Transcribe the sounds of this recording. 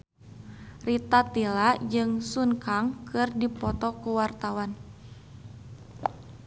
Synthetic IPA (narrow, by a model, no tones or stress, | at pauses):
rit̪at̪ilad͡ʒɨŋsunkaŋkɨrdipɔt̪ɔkuwart̪awan